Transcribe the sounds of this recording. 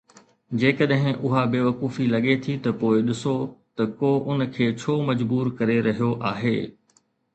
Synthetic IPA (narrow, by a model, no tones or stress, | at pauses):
d͡ʑeːkəɗɦɪ̃ʔʊɦabeːʋɐkuːfilɐɠet̪ʰit̪ɐpoːɪɗɪsot̪ɐkoːʔʊnkʰeːt͡ɕʰoːmɐd͡ʑbuːɾkɐɾeɾɐɦijoʔaːɦeː